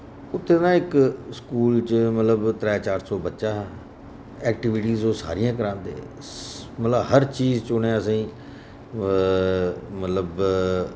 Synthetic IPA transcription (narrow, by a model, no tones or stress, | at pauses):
ʊt̪ʰːeːnãːɪkskuːlt͡ʃmət̪ləbt̪ɾɛːt͡ʃaːɾsɔːbətːʃaːɦɛː | ɛːk̚ʈɪʋɪʈiːzõːsa̰ːɾijãːkəɾãːnd̪ḛː | mət̪ləbɦəɾt͡ʃiːzt͡ʃʊɳẽːəsĩː | mət̪ləb